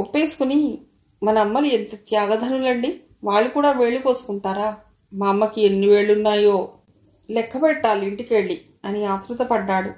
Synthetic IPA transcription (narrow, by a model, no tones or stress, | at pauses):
opːeːsu̥kuni | mɐnɐɐmːɐluent̪ɐt̪jaːɡɐd̪ʱɐnulɐɳɖi | ʋaːɭːukuːɽaːʋe̞ːɭːuko̞ːsu̥kuɳʈaːɾaː | maːmːɐkienːiʋeːɭunːaːjo̞ː | lɛkʰːɐpɛʈːaːliɳʈikeɭːi | ɐniaːt̪ɾut̪ɐpɐɖːaːɽu